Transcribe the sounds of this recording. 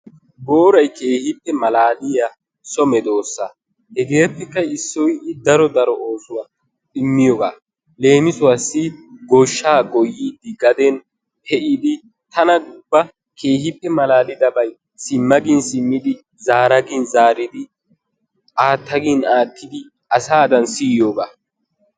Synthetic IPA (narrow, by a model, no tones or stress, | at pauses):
boːɾɐjke̞ːhɪpːɛmɐlaːlɪja | sɔmɛd̪o̞ːsːa | hɛɡe̞ːpːɛkːɐɪsːɔjd̪ɐɾɔd̪ɐɾɔʔoːsʊwa | ɗɪmːɪjɔɡaː | le̞ːmɪsʊwasːɪɡoʃːaːɡɔjːiːd̪ɪɡɐd̪ɛn | hɛʔid̪ɪ | t̪ɐnɐɡʊbːɐ | kʰeːhɪpːɛmɐlaːlɪd̪ɐbɐj | sɪmːɐɡɪnsɪmːɪd̪ɪ | zaːɾɐɡinzaːɾɪd̪ɪ | ʔaːt̪ːɐɡinaːt̪ʰːɪd̪ɪ | ʔɐsaːd̪ɐnsiːjoːɡaː